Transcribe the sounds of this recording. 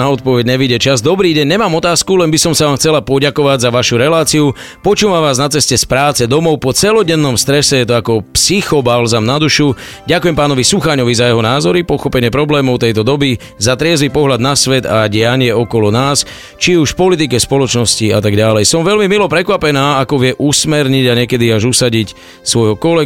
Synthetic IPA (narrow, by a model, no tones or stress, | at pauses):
naɔt̪̚pɔʋɛɟɲɛʋiɟɛt͡ʃazd̪ɔbɾiːɟɛɲːɲɛmaːmɔt̪aːskulɛnbisɔmsaʋaːmxt͡sɛlapɔɟakɔʋaɟzaʋaʃuɾɛlaːt͡siu | pɔt͡ʃuːʋamʋaːznat͡sɛscɛspɾaːt͡sɛd̪ɔmɔʊpɔt͡sɛlɔɟɛnːɔmst̪ɾɛsɛjɛt̪ɔakɔpsixɔbalzamnad̪uʃu | ɟakʊjɛmpaːnɔʋisuxaɲɔʋizajɛɦɔnaːzɔɾipɔxɔpɛɲɪɛpɾɔblɛːmɔʊt̪ɛjt̪ɔd̪ɔbi | zat̪ɾɪɛzʋipɔɦʎad̪nasʋɛd̪aɟɪaɲɪɛɔkɔlɔnaːs | t͡ʃiuʃfpɔlit̪̬ikɛspɔlɔt͡ʃnɔsciat̪aɡɟalɛjsɔmʋɛlmimilɔpɾɛkʋapɛnaːakɔʋɪɛʔusmɛɾɲiɟaɲɪɛkɛd̪iaʒusaɟic | sʋɔjɦɔkɔlɛ